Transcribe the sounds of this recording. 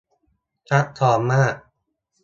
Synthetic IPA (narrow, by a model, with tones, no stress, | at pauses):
kʰa˦˥t̚t̪ʰːɔː˩˦mːaː˥˩k̚